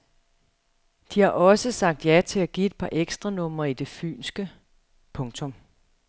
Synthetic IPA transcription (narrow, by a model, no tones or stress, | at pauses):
d̥ihɑ̈ʔɒ̽səsɑ̈ɡ̥̚d̥jæt͡sʰe̝æɡ̥ie̝d̥̚pʰɑ̈ʔeɡ̥sd̥ʁɑnɔ̽m̰ɐid̥e̝fy̰ːnsɡ̥ə | pʰɔ̽ŋt͡sʰɔ̽m